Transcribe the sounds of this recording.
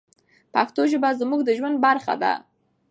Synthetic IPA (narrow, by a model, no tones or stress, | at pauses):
pakt̪oʒəbazmuɡd̪əʒwand̪̚baɾxa̰d̪a̰